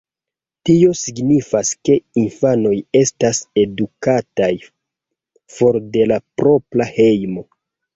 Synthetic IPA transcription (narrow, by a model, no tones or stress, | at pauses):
tio̞siɡnifaske̞infano̞je̞stase̞dukataj | fo̞ɾde̞lapɾo̞pɾahe̞jmo̞